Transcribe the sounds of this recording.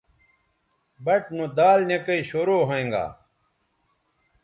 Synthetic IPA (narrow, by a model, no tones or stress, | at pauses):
bɐʈnõd̪aːlnekɐiɕoɾoːɦoẽːŋɡa̰ː